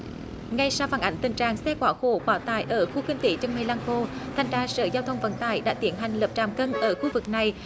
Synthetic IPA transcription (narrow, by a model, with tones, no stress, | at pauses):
ŋa˧jsa˧wfaː˧˩nʔa˧˩ŋ̟t̪ï˨˩ŋ̟t͡ɕaː˨˩ŋsɛ˧kwaː˧˩xo˧˩kwaː˧˩t̪aː˧˩jʔəː˧˩xu˧xï˧ŋ̟t̪i˧˩˦t͡ɕɔ˧wŋ͡mmə˧laː˧ŋxo˧t̪ʰa˨˩jŋ̟zaː˧˩sə̰ː˧˩zaː˧wt̪ʰə˧wŋ͡mvə̰˧˥nt̪aː˧˩jɗa̰ː˧˥t̪i˧˩ənɦa˨˩jŋ̟lə˨˩p̚t͡ɕaː˨˩mkə˧nʔəː˧˩xu˧vɨ˨˩k̚na˨˩j